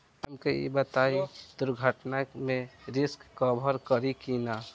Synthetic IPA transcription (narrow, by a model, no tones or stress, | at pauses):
əmkejḛbət̪aid̪ʊɾɡʱəʈnamẽɾɪskːɔbʱəɾkəɾikina